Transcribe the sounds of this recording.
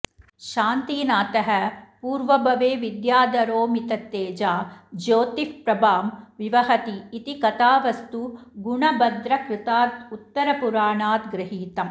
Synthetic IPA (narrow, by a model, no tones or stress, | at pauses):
ʃaːnt̪iːnaːt̪ɐɦɛpuːɾʋɐbʱɐʋeːʋɪd̪jaːd̪ɐɾoːmɪt̪ɐt̪ːeːd͡ʒaːd͡ʒoːt̪ifpɾɐbaːmʋɪʋɐɦɐt̪iːt̪ikɐt̪aːʋɐst̪uɡʊɳɐbɐd̪ɾɐkɾɪt̪aːt̪ut̪ːɐɾɐpuɾaːɳaːt̪ɡɾɪɦiːt̪ɐm